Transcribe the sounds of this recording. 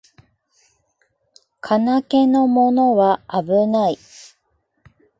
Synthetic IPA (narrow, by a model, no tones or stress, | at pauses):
kʰanake̞no̞mo̞no̞βaabɯnai